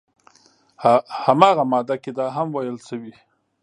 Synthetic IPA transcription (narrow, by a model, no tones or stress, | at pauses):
hamɑːɣamɑd̪aked̪ɑɦamwajəlʃəwi